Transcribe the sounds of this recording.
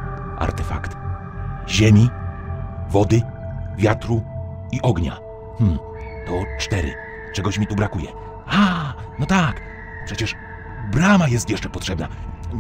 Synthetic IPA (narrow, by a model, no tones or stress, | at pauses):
ʔa̰ɾt̪ɛfa̰kt̪ | ʑemʲi | vɔd̪ɘ | vʲjat̪ɾu | iʔɔɡɲa̰ | mm̩ | t̪ɔt͡ʂt̪ɛɾɘ̰ | t͡ʂɛɡɔɕmʲit̪ubɾakujɛ̰ | a | nɔt̪ak | pʂɛt͡ɕɛʂ | bɾamajɛst̪jɛʂt͡ʂɛpɔtʂɛbna